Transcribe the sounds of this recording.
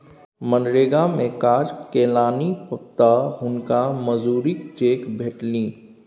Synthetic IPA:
mə̃nɾeːɡamẽkaːɾkeːlaːnipət̪aɦʊnkaməzuːɾikt͡ʃeːkbʱeːʈlĩː

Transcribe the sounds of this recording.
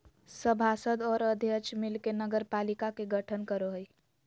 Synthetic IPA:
səbʱasəd̪ɔːɾəd̪ʱjəkt͡ʃmɪlkenəɡəɾpalikakeɡəʈʰənkəɾoɦəi

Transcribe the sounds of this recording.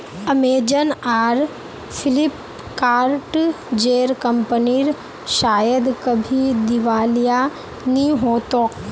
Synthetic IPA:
əmeːd͡ʒənaːɾ | fʰɪlɪp | kaːɾʈ | d͡ʒeːɾkə̃mpəniɾ | ʃaːjəd̪kəbʱid̪ɪʋaːlija | nĩɦoːt̪o

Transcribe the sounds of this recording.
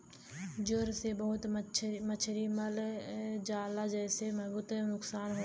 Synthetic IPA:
d͡ʒoɾsebəɦʊt̪t͡ʃʰmət͡ʃʰɾiməlɦd͡ʒaːlad͡ʒɛːsemɐɦbuːt̪ɦɛnʊksaːnɦo

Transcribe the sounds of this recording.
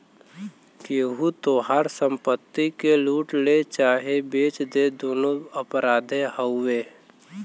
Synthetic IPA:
keɦut̪oɦaɾsə̃mpət̪ːikeluːʈlet͡ʃaːɦebeːt͡ʃd̪ed̪oːnoəpɾaːd̪ʱẽɦəʊweː

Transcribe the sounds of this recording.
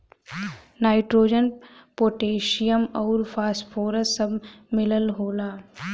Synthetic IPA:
naːɪʈɾoːd͡ʒənpoːʈeːʃijəmɔːɾfʰaːsʈfʰoːɾəsːɐbmɪləlɦoːlaː

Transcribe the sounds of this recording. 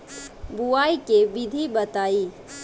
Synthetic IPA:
buaikebɪd̪ʱibət̪aːiː

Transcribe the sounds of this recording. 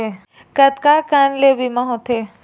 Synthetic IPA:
e | kɐt̪kakanlebimaɦõt̪ʰe

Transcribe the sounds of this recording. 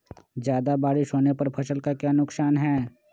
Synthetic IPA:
d͡ʒjaːd̪abaːɽɪʃɦoːnepɐɾpʰɐsəlkakjaːnʊksaːnɦɛː

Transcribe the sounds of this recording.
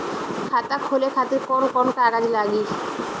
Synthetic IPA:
kʰat̪akʰolekʰat̪eɾkɔnkɔnkaɡad͡ʒilaɡi

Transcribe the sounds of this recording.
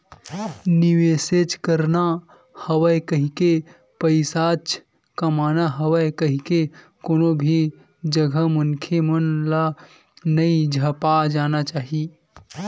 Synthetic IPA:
niweːset͡ʃkəɾna | həwəkəɦike | pəɪsat͡ʃ | kɐmaːnaɦəwəkəɦike | koːnobʱi | d͡ʒəɡʱəmənkʰemənla | nəid͡ʒʱəpad͡ʒaːnat͡ʃaːɦi

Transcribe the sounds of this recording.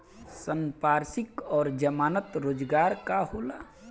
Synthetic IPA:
sənpaːɾsɪkɔːɾd͡ʒəmaːnət̪ɾoːd͡ʒɡaːɾkaɦoːlaː

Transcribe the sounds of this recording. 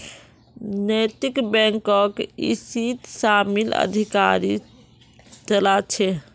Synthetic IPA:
net̪ikbɛ̃ŋkɔkḭsit̪samilə̰d̪ʱika̰ɾi | t͡ʃəlat͡ʃʰɛ

